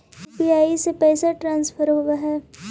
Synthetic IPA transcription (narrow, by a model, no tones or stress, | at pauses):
piaːisepɛːsaʈɾãːnsfʰəɾɦoːɡaɦɛː